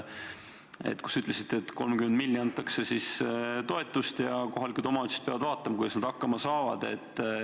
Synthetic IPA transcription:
ḛt̪ːˑku̥syt̪ˑlesit̪ːeet̪ːˑko̞lmkymed̪milʲːiɑnt̪ːˑɑkse̞sist̪o̞e̞t̪ːˑust̪jɑko̞ɦɑlikud̪o̞mɑyt̪se̥d̪̥̚peɑ̰vɑd̪vɑːt̪ːˑɑmɑkujd̪ɑsnɑd̪̥ɑkːɑmɑsɑːvɑ̰d̪̥e̞̰t̪ːˑ

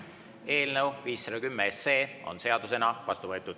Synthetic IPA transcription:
e̞ːlnəwviːsːɑd̪ɑkymːeesːeːo̞̰nse̞ɑd̪use̞nɑvɑst̪uvɤet̪ːˑud̪̥

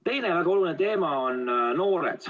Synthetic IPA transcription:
t̪e̞jnevæɡ̥ɑo̞lunet̪e̞ːmɑonno̞ːɾḛd̪̥

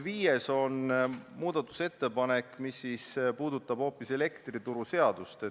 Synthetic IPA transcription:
viːjeso̞nmuːd̪̥ɑt̪ːˑu̥se̞t̪ːe̞pɑne̞kːˑmisːispuːd̪̥ut̪ːˑɑb̥ho̞ːpːˑise̞le̞kt̪rit̪uɾuse̞ɑd̪ust̪e

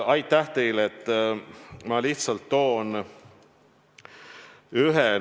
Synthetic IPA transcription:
ɑjt̪ːæht̪e̞jlet̪ː | mɑliht̪sɑlt̪ːo̞ːn | yɦe

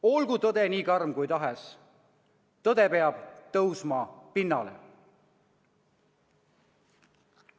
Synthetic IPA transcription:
o̞lɡ̥ut̪ɤd̪̥e̞niːkɑrmkujt̪ɑɦes | t̪ɤd̪̥e̞pe̞ɑb̥t̪ɤwsmɑpinːɑ̰lḛ

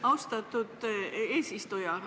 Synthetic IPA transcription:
ɑwst̪ɑt̪ːˑud̪̥e̞ːsist̪ujɑ

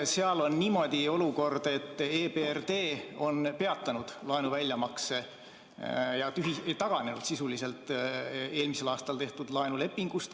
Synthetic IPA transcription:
se̞ɑlo̞nːiːmo̞d̪̥ʲio̞luko̞rd̪̥e̞t̪ːeːberd̪e̞ːo̞npe̞ɑt̪ːˑɑnud̪̥lɑenuvælʲjɑmɑkse | jɑt̪yɦiet̪ɑɡ̥ɑne̞nud̪̥sisulise̞lt̪ːˑe̞ːlmise̞lɑːst̪ɑlt̪e̞ht̪ud̪̥lɑenule̞pːiŋɡ̥ust̪

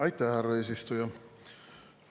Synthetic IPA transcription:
ɑit̪ːæhæreisist̪ojɑ

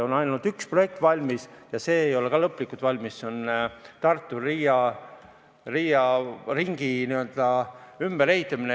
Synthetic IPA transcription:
o̞nɑjnɑnud̪̥yksproe̞k̚t̪ˑvɑlʲmisjɑse̞ːejo̞le̞kɑlɤpːˑlikːˑut̪vɑlʲmisːeont̪ɑrt̪ːˑuriːjɑ | riːjɑriŋɡ̥iniø̞ld̪̥ɑymb̥eɾe̞it̪ːˑɑmine

